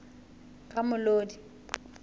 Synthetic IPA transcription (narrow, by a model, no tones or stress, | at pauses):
kʼamʊloːdi